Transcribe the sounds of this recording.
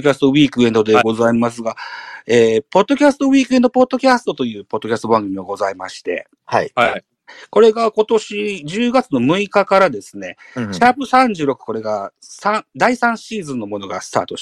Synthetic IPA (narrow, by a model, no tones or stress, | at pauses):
kʲasɨ̥t̪o̞βiːkɯ̟e̞nd̪o̞d̪e̞ɡo̞zaimas̬ɨɡaeːpo̞d̪ːo̞kʲasɨ̥t̪o̞βiːkɯe̞nd̪o̞po̞d̪ːo̞kʲasɨ̥t̪o̞t̪o̞jɯ̟ːpo̞d̪ːo̞kʲasɨt̪o̞ãŋɡɯmio̞ɡo̞zaimaɕi̥t̪e̞̰ | ko̞ɾe̞ɡako̞t̪o̞ɕid͡ʑɨːɡat͡sɨno̞mɯ̟ikakaɾad̪e̞sɨne̞ | t͡ɕapɯ̟sãɲ̟d͡ʑɨːɾo̞kɯ̟̥ko̞ɾe̞ɡa | sãd̪aisãɰ̃ɕiːzɨ̃nːo̞mo̞no̞ɡa̰sɨ̥t̪a̰ːt̪o̞